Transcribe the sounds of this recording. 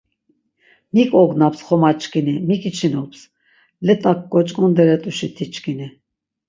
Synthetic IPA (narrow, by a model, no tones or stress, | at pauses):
mikʼɔɡnapsχɔmat͡ʃʼkʰʼinimikʼit͡ʃʰinɔps | lɛt̪ʼakːʼɔt͡ʃʼkʼɔnd̪ɛɾɛt̪ʼuʃit̪ʰit͡ʃʼkʰʼini